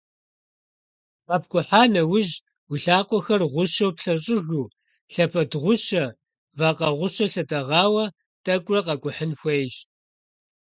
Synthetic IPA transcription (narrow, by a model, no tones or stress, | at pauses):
qɐp̚ʰkʷʼʊħaːnɐwʊʑ | wiɬaːqʷʼɔxɐrʁʷʊɕɐwpɬɐɕʼɪɣuː | ɬɐpʰɐdʁʷʊɕɐ | vaːqɐʁʷʊɕɐɬɐtʼɐʁɑːwɐ | tʼɐkʷʼrɐqɐkʷʼʊħənxʷejɕ